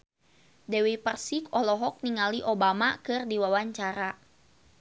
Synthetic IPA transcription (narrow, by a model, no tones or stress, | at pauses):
dɛwipərsikɔlɔɦɔk̚niŋaliʔobamakɨrdiwawaɲt͡ʃaɾa